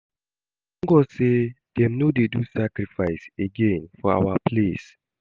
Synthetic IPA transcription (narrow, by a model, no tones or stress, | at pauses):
ŋ̩ɡɔsed̥ɛ̃mnodedusakɾifaɪseɡẽnfɔa̰wapʰles